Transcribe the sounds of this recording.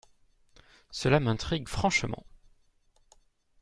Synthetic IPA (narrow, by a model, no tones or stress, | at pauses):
səlamɛ̃t̪χiɡfχɑ̃ʃmɑ̰̃